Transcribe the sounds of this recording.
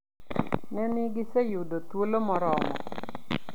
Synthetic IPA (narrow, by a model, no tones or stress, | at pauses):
nɛnɪɡɪsejudot̪wolomɔɾɔmɔ̰